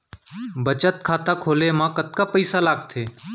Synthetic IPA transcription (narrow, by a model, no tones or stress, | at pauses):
bət͡ʃət̪̚kʰaːt̪aːkʰoːleːmãːkət̪̚kaːpəisaːlaːɡt̪ʰeː